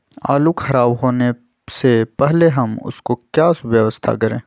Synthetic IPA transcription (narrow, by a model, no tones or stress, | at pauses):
a̰ːlukʰɐɾaːbɦoːne | sepɛɦleɦɐmʊ̰skokjaːʋjɐʋəst̪ʰa̰kɐɾḛ̃ː